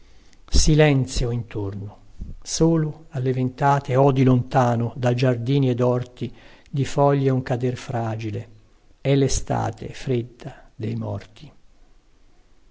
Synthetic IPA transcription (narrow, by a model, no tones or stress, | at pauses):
silɛnt̪sjoint̪ornosoːloalːevent̪aːt̪eɔːd̪ilont̪aːnod̪ad͡ʒard̪iːnied̪ɔrt̪i | d̪ifɔʎːeuŋkad̪erfɾaːd͡ʒile | ɛlːest̪a̰ːt̪ʰḛfɾed̪ːad̪ejmɔrt̪i̥